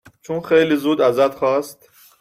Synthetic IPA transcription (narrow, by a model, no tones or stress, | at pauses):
t͡ʃʰunxejliːzuːd̪æzæt̪xɒːst̪